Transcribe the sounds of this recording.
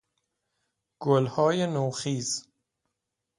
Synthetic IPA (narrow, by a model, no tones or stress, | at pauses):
ɡ̥olhɒːjenoːxiːz̥